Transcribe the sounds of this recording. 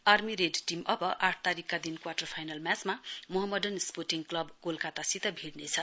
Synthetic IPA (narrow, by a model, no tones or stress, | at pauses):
armiɾeɖʈimʌbʌʔaʈʰt̪aɾikːad̪inkwarʈʌrpʰajnalmjat͡smamoɦʌmːʌdʌnsporʈiŋklʌbɡolkat̪asit̪ʌbʱiɽnet͡sʰʌ